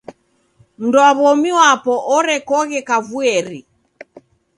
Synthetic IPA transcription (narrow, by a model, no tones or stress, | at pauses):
m̩ndɔaβɔmiwapɔʔɔɾɛkɔɣɛkavuɛɾi